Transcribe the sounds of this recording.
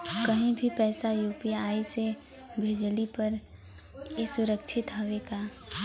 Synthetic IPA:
kəɦĩbʱipɛːsajuːpijaːise | bʱeːd͡ʒlipɐɾ | esʊɾəkʃʰɪt̪ɦɐʋeːɡaː

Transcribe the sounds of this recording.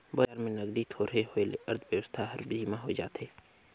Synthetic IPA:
baaːɾmẽnɐɡd̪it̪ʰoːɾeɦoelɐɾd̪ʰʱʋjɐʋəst̪ʰaɦɐɾbiimãɦod͡ʒa̰ːt̪eː

